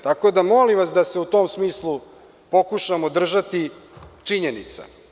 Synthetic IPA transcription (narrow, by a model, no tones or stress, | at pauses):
t̪ako̞d̪amo̞limʋasd̪aseut̪o̞ːmsmiːslˠu | po̞kuʃamod̪r̩ʒat̪it͡ʂiɲenḭt̪sa̰